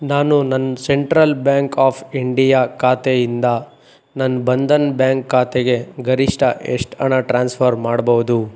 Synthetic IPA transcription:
naːnunɐnːseɳʈɾɐlbjaːŋkaːpʰiɳɖijakʰaːt̪ejind̪ɐ | nɐnːbɐnd̪ɐnbjaːŋkːaːt̪eɡe̞ɡɐɾiʂʈɐʔḛʂʈɐɳaʈɾaːnspʰɐɾmaːɽbɐʋud̪u

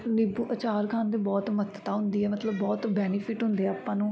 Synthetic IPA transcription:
nɪbuːʔət͡ʃaːɾkʰãːnd̪eːbɔːt̪mət̪ːt̪aːɦʊnd̪iːɛːmət̪ləbːɔːt̪bɛːnɪpʰɪʈɦʊ̃nd̪eɛːaːpːãːnũː

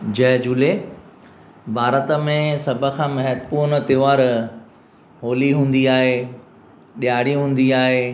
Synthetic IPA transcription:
d͡ʑɐɦd͡ʑule | bʱaːɾət̪əmẽsɐbʱə̆kʰãːmɐɦəd̪puːɾnət̪ɪːʋaːɾ | ɦoːliɦũːn̆d̪iaːɦe | ɗijaːɽiɦũːn̆d̪iaːɦeː

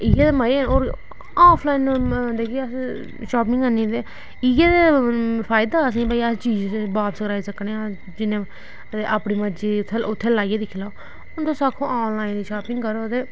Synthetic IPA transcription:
iːɡeːd̪eməɾeːnoːɾ | aːpʰlaːinːd̪eːkʰiəs | ʃaːp̬ɪŋɡənĩːt̪eː | iɡeːd̪eːpʰaːjd̪aːəsĩːbaːiːəst͡ʃiːd͡ʒbaːpsəkɾaːiːsəkɽeːa | d͡ʒɪnẽː | t̪eʔaːpɽiːməd͡ʒiːt̪ʰeʊt̪ʰːeːlaːijeːd̪iːkʰɪlaː | ʊnt̪õːsaːkʰõːaːnlaːind̪iːʃaːpɪŋɡkəɾoːət̪eː

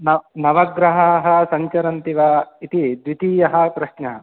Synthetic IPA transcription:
nɐnɐʋɐɡɾɐɦɐːɦɐ̆sɐɲt͡ʃɐɾɐnt̪iʋait̪id̪ʋit̪iːjɐɦɐ̆pɾɐʃnɐɦɐ

